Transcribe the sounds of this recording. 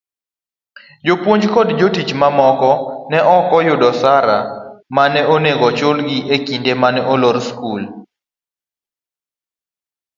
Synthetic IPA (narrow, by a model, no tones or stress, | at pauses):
d͡ʒopwoɲd͡ʒkɔdd͡ʒotit͡ʃmamɔkɔnɛʔɔkɔjʊdɔsaɾamanɛoneɡɔt͡ʃʊlɡiʔekindemanɛʔoloɾskul